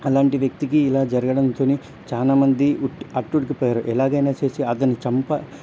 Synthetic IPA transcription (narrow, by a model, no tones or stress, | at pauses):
ɐlaːɳʈiʋjɐk̚t̪ikiːlaːd͡ʒɐɾɐɡɐɽɐnt̪o̞ːniː | t͡ʃaːlaːmɐnd̪iʈɐʈːuɽik̬ipɔːjaːɾuʔɛlaːɡɐjnaːt͡ʃe̞ːsiɐt̪ɐnːit͡ʃɐmpɐ